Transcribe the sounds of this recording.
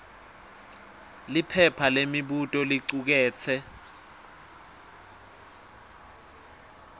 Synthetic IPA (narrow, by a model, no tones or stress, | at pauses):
lipʰɛpʰalemiɓutʼɔliǀuk̬ɛːt͡sʰɛ